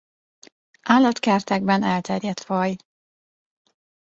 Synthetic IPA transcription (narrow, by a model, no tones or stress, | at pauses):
ʔaːlːɒt̪kɛrt̪ɛɡ̚bɛnɛlt̪ɛrjɛt̪fɒj